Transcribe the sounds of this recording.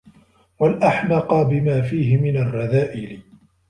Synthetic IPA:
walʔaħlɑqɑbɪmaːfiːɦɪmɪnarˤːɑðaːʔɪlɪ

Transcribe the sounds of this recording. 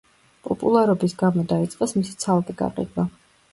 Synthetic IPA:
pʼɔpʼṵlˠaɾɔbisɡamɔd̪ait̪sʼqʼɛsmisi̥t̪sʰalkʼɛɡ̥a̰qʼḭd̪wa

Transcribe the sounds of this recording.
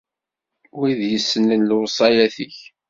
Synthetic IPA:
wiðjəsːənənlʊwsˤɑjæθiç

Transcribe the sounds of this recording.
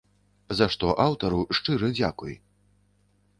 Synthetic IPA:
zaʂt̪ɔʔawt̪ɐɾuʂt͡ʂɨɾɐd͡zʲakuj

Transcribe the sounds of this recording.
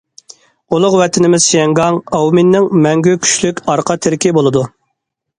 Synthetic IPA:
ulˠʊqwɛt̪ʰɪnɪmɪzsjɛŋɡɑŋɑwmɪnːɪŋmɛŋɡʲykʲʰy̥ʃlykʲɑɾqʰɑt̪ʰɪɾɪkʲibolˠɨd̪u

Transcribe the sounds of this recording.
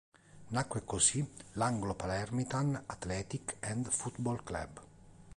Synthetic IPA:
nakːwekosilaŋɡlopalɛrmit̪anat̪lɛːt̪ikɛnd̪fut̪bolkla̰b

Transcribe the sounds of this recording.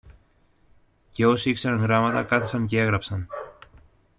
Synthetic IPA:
ce̞o̞siikse̞ɾɐŋɣɾɐmɐt̪ɐkɐθesɐɲce̞e̞ɣɾɐpsɐn

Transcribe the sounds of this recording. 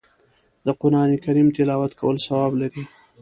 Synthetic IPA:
d̪əqʊnɑnikaɾimt̪ɪlɑwat̪kʰawəlsawɑblaɾi

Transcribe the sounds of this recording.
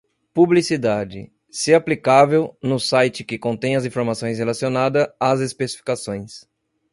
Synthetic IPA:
publisid̪ad͡ʒɪ̰ | sɪaplikavewnʊsajt͡ʃɪkɪkõnt̪ẽj̃ɐzĩfoɾmasõj̃shelasionad̪ɐazespesifi̥kasõj̃s

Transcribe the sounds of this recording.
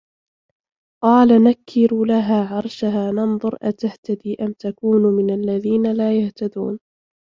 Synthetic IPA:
qɑːlanakʰːɪɾuːlaɦaːʕɑɾˤʃaɦaːnɑnðˤʊɾʔat̪aht̪ad̪iːʔamt̪akuːnuːmɪnalːaðiːnalaːjaht̪ad̪ṵːn

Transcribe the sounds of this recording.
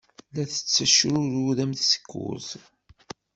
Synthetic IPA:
læθə̥t͡sːæʃɾʊɾuðæmθsə̥kːʊ̰z

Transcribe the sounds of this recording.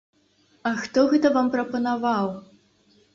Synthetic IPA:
ɐxt̪ɔɣɛt̪ɐvampɾɐpɐnavaw

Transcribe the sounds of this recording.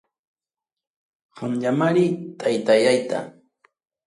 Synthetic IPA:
ɢamʎamaɾit̪ʰajt̪ajajt̪a̰

